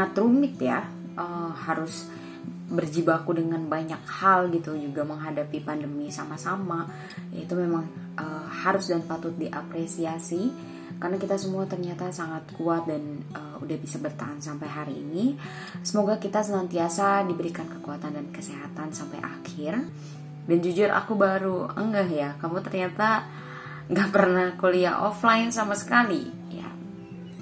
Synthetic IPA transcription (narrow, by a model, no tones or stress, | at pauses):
at̪ɾumɪk̪̚ja | ʔəːhaɾʊs | bərd͡ʒibakudəŋanbaɲak̚halɡit̪ud͡ʒuɡaməŋɦadapipandəmisamasama | ja̰it̪umemaŋ | ʔəːhaɾʊsdanpat̪ʊt̪̚diʔapɾesiasi | karənakit̪asəmuat̪ərɲat̪asaŋat̪̚kuat̪̚dan | ʔəːudahbisabərt̪aansampajɦaɾḭːni | səmoɡakit̪asənant̪iasadibəɾikankəkuat̪andankəseɦat̪ansampa̰jʔa̰kʰɪr | dand͡ʒud͡ʒʊrʔa̰kubaɾuə̰ŋɡahjakamut̪ərɲat̪a | ŋɡaʔpərnahkolia̰ʔo̰flaɪnsamasə̥kalḭ | ja̰